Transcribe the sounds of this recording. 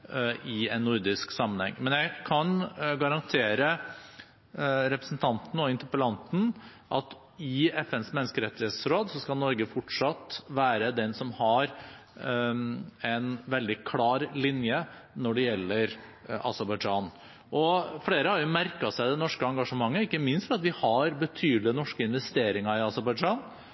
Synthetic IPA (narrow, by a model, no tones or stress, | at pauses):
ɪɛnnːʊɾd̪ɪsksɑmːənhɛ̰ŋːmɛnjæɪkʰɑnɡɑɾɑnt̪ʰeːɾə | ɾɛpɾəsn̩t̪ʰɑnt̪n̩ɔɪnt̪əpəlɑnt̪n̩ʔɑt̪ | ɪɛfɛnsmɛnːəskəɾɛt̪ːɪhet̪sɾoːd̪sɔskɑlnɔɾɡəfɔʈʂɑt̪ːʋæːɾəd̪ɛnsɔmhɑɾ | ɛnʋɛld̪ɪkʰlɑːɾlɪnjənɔɖɛjɛlːəɾ | ɑ̰səɾbɑɪd͡ʒɑːn | ʔɔfɽeːɾəhɑɾjʊmæɾkɑsæɪd̪ɛnɔʂkəɑŋɡɑʂəmɑŋːəɪkːəmɪnst̪fɾɑt̪ʋɪhɑɾbət̪ʰyːd̪lɪənɔʂkəɪnʋɛst̪eːɾɪŋɑɪɑsəɾbɑɪd͡ʒɑːn